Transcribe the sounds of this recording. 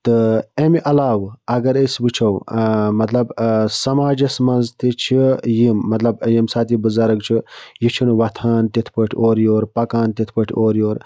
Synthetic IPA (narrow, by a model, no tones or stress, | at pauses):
t̪ɨemiʔɐlaːwɐɡɐɾesbɨt͡ʃʰɐwmɐt̪lɐbsɐmaːd͡ʒɐsmɐnzt̪it͡ʃʰijimːɐt̪lɐbjimsaːt̪ibɨzaɾɐk̚t͡ʃʰijit͡ʃʰinʋɐt̪ʰaːnt̪it̪ʰpɐʈʰoːɾjoːɾpɐkaːnt̪it̪ʰpɐʈʰʲoːɾjoːɾ